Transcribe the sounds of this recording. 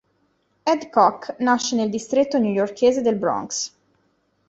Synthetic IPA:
ɛd̪kɔknaʃːeneld̪ist̪ɾet̪ːonjujorkʰeːzed̪elbɾɔ̰ŋks

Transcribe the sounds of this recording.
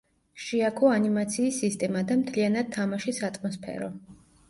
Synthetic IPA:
ʃiakʰɔanimat̪sʰiːsist̪ʼɛmad̪amt̪ʰlianad̪̚t̪ʰːamaʃisat̪ʼmɔspʰɛ̰ɾɔ̰

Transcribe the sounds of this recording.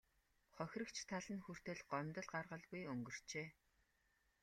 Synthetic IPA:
χɔxʲrə̆kt͡ɕʰt̪ʰaɮə̆nxur̥t̪ɘ̆ɮɢɔmʲt̪ə̆ɮɢarʁə̆ɮɡujɵŋɡɵ̆r̥t͡ɕeː

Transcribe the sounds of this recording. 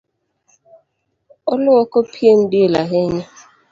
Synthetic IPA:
ɔlʊɔkopʰien̩dɪelaɦeɲe

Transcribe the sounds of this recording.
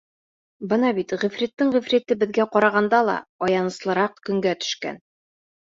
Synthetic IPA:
bɤnɑbit̪ʁĭfɾit̪ːɘɴʁĭfrʲit̪ɘbɘ̆ðɡæqɒɾɑʁɑnd̪ɑlˠɑ̰ɒjɑnɤ̆slˠɤ̆ɾɑqkɵ̆ŋɡæt̪ɵ̥̆ʃkæ̰n

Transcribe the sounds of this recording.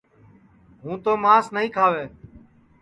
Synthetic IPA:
ɦũːt̪oːmaːsnəɦĩːkʰaːʋeː

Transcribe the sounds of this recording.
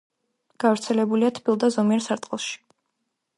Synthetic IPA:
ɡ̥avɾt̪sʰɛlɛbuliat̪ʰbʰilˠd̪azɔmiɛɾsaɾt̪ʼqʼɛlˠʃi̥

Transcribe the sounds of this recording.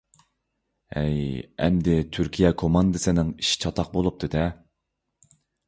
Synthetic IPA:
ɛjɛ̰md̪ɪt̪ʰyɾkʲʰijɛkʰomɑnd̪ɨsɨnɪŋiʃi̥t͡ʃʰɑt̪ʰɑq̚bolˠup̚t̪ʰɨd̪ɛ

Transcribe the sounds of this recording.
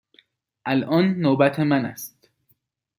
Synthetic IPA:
ʔælʔɒːnːoːbæt̪ʰemænæ̰st̪

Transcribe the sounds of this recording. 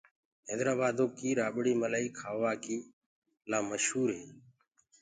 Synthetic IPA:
ɦɛːd̪ɾaːbaːd̪oːkiːɾaːɓɽiːməlaːiːkʰaːʋaːkiː | laːməʃhuːɾɦeː

